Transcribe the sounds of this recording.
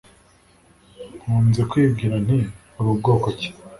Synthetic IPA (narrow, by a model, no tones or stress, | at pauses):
huːnzekwiːbɡiːɾan̥i | uɾub̚ɡo̞ːkoce̥